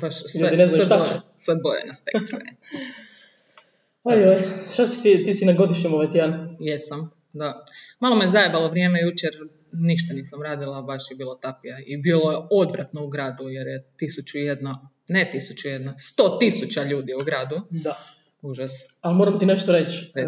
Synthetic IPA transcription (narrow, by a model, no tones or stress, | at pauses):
baʃsʎued̪ineznaasʋebojḛnaspekt̪ɾue | ajojʃt̪asi̥t̪it̪iːsinaɡod̪iʃɲimoʋat̪ijanjesam | d̪amalomiezaebalˠo̞ʋɾjemejut͡ʃeɾ | niʃt̪aniːsamɾaːd̪ilˠabaʃjebiːlˠot̪apijaibiːlˠojeod̪ʋɾat̪nouɡɾaːd̪ujeɾjet̪isut͡ɕujed̪no | net̪isut͡ɕujed̪nost̪oːt̪isut͡ɕaʎuːd̪iuɡɾaːd̪ud̪a | uʒas | almoɾamt̪ineʃt̪oɾet͡ʃe